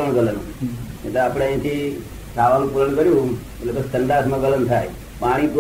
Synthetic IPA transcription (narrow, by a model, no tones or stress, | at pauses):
əɳ̃ɡələnũḛ̃t̪əaːpɽ̃ẽẽːt̪ʰi | sʰaːʋanũpuləɳ̃kəɾjũmət̪ləbəst̪ənd̪aːsmãɡələnt̪ʰaːj | paːɽ̃ipu